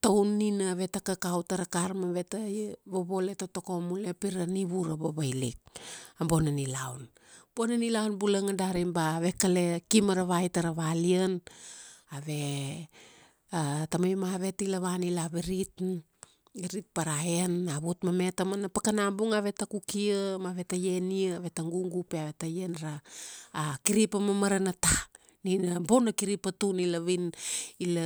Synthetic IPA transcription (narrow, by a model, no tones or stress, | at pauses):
tawnːinaaβe̞takakawtaɾakaɾmaβe̞taβoβo̞le̞toto̞ko̞mulepiɾaniβuɾaβoβajlḭk̚ambo̞nanilawn | bo̞nanilawnbulaŋadaɾimbaβe̞kale̞kimaɾaβajtaɾaβaliən | aβe̞ | atamajmaβe̞tilaβanilaβeɾit | eɾit̚paɾaenaβutmame̞tamanapakanambuŋaβe̞takukiəmaβe̞taje̞niəaβe̞taŋɡuŋɡupeaβe̞tajenɾaː | kiɾipamamaɾanata | ninabonakiɾipatunilaβinil